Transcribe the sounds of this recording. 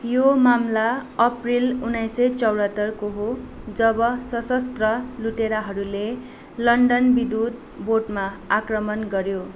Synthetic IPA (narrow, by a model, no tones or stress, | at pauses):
jomamlaʌprilunʌjsʌt͡sʌwɽʌt̪ːʌrkoɦod͡zʌbʌsʌsʌst̪rʌluʈeɾaɦʌɾule | lʌɳɖʌnbid̪ud̪̚ | borʈmaakrʌmʌnɡʌɾjo